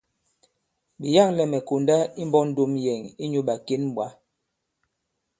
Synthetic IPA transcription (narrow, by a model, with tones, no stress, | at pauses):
ɓi˨ja˦˨ŋlɛ˨mɛ˨ko˨nda˦i˦mbɔ˦n̩˦do˦mjɛ˨ŋi˦ɲu˦ɓa˨ke˦n˦ɓwa˨˦